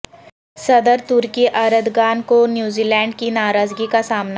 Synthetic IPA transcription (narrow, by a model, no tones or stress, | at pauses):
sɐd̪əɾt̪uɾkiʔaɾəd̪ʱɡaːnkonjuːziːlɛ̃ːɳɖkinaːɾaːd͡ʒɡikasaːmna